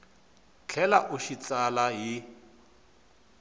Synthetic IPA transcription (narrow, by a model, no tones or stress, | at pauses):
t͡ɬʰɛlaʔuʃit͡salaɦi